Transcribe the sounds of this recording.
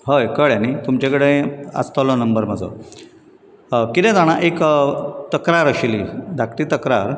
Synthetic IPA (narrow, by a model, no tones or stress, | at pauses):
ɦəjkəɭjanit̪umt͡ɕẽkəɽeə̰st̪alɔnəmbəɾməd͡zʱɔ̰ | kit̪ɛ̃d̪aɽ̃aʔekt̪əkɾaɾəɕilid̪ʱakʰt̪iːt̪əkɾaɾ